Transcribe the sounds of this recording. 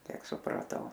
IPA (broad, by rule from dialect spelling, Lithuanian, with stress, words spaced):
ˈkʲiɛk sʊprɐˈtɐʊ